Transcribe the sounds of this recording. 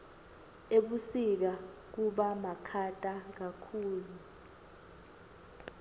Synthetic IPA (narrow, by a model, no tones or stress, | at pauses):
eɓusik̬a | k̬uɓamakʰatʼak̬akʰuːlu